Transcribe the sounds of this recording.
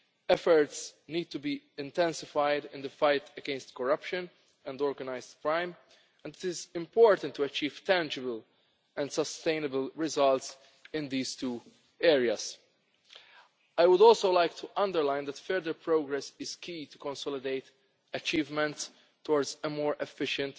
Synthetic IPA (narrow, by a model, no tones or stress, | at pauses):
ɛfəɹtsniːd̪̚t̪ubi | ɪ̃nt̪ɛ̃nsɪfaɪd̪ɪ̃nd̪əfaɪt̪ɛɡɛ̃nst̪kɔɹʌpʃɨ̃n | ɛ̃ndɔːɹɡɐnaɪzdkɹãɪ̃m | ɛ̃nd̪ɪtɪzɪ̃mpɔːɹt̪ə̃nt̪ːuɐt͡ʃiːv̥t̪æ̃nd͡ʒɪbəl | ɛ̃ndsəst̪ẽɪ̃nəbəlɹɪzʌlts | ɪ̃nd̪iːz̥t̪uː | ɛːɹiaz̥ | ajwʊdɔːlsoʊlaɪk̚t̪ʰuʔʌ̃ndəɹlãɪ̃nd̪ætfɛɹd̪əɾpʰɾoʊɡɾɛsɪz̥kʰiːt̪ukɔ̃nsɔlɪd̪eɪt̪ | ɐt͡ʃiːvmɛ̃nts | tːɔːɹdzəmɔːɹʔɛfɪʃə̃nt̪